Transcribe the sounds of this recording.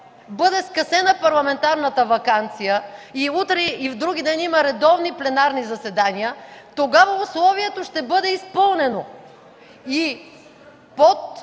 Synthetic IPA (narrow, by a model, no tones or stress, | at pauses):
bɤd̪ɛskɐsɛnəpɐɾlˠɐmɛnt̪aɾnət̪əvɐkant̪sijəiut̪ɾɛivd̪ɾuɡid̪ɛnimɐɾɛd̪ɔvniplɛnaɾnizɐsɛd̪anijət̪oɡavɐuslˠɔviɛt̪oʃt̪ɛbɤd̪ɛispɤlˠnɛno | i | pot̪̚